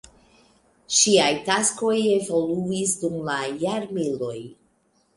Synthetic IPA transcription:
ʃiajtasko̞je̞vo̞luisdumlajaɾmilo̞j

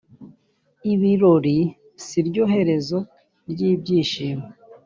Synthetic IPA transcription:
iβiɾoɾi | siɾɟoɦe̞ɾe̞zo | ɾɟiːbɟiːʃiːme

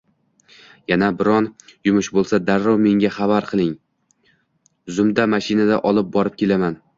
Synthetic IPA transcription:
janabɪɾɒnjʊmʊʃbolˠsad̪aɾːɒwme̞ŋɡʲaχabaɾqʰɨlˠɪŋ | zʊmd̪amaʃɪnad̪aʔɒlˠɪp̚bɒɾɪp̚kʲʰe̞laman

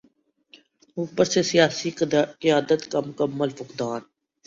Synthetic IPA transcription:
uːpəɾsesɪjaːsikɪjaːd̪ət̪kamʊkəmːəlfʊqd̪aːn

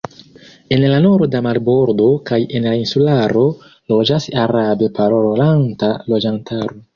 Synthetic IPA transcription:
e̞nlanoɾo̞damaɾbo̞ɾdo̞kaje̞nlainsulaɾo̞ | lo̞d͡ʒasaɾabe̞paɾoɾolantalo̞d͡ʒantʰaɾo

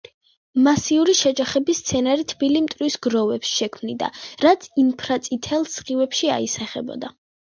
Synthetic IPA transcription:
masiuɾiʃɛd͡ʒaχɛbist̪sʰɛnaɾit̪ʰbilimt̪ʼɾwisɡɾɔvɛpsʃɛkʰmnid̪a̰ɾat̪sʰinpʰɾat̪sʼit̪ʰɛlˠsχiwɛpʃia̰isaχɛ̰bɔ̰d̪a

